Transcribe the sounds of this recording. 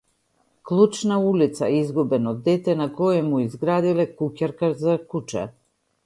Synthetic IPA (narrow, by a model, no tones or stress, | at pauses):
klˠut͡ʃnaulit̪saizɡubɛnɔd̪ːɛt̪ɛnakɔjɛmuizɡɾad̪ilɛkucaɾkazakut͡ʃɛ̰